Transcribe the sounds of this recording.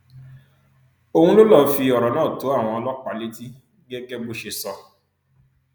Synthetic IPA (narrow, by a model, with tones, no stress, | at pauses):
o˧hũ˦lo˦lɔ˦fi˧ɔ˨ɾɔ˨˦nãː˦˨to˨˦a˦˨w̃ɔ̃˧ɔ˧lɔ˦k͡pa˨˦li˦ti˦ | ɡɛ˦ɡɛ˦bo˦ʃe˧sɔ˨